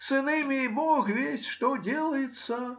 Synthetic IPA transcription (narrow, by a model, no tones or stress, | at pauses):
sɨnɨmʲɪibɔxvʲesʲʂt̪ɔdʲelˠəjɪt̪sə